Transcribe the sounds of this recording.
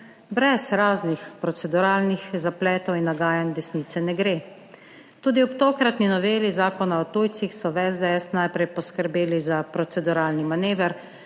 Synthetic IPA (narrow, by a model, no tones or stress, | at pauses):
bɾɛzɾaːznixpɾɔt̪sɛd̪uɾaːlnixzaplɛːt̪ɔwinːaɡaːjand̪ɛsniːt̪sɛnɛɡɾeː | t̪uːd̪iɔpt̪oːkɾat̪ninɔʋeːlizaːkɔnaɔt̪ujt̪sixsɔʋɛzd̪ɛɛsnajpɾɛjpɔskəɾbeːlizapɾɔt̪sɛd̪uɾaːlnimaneːʋəɾ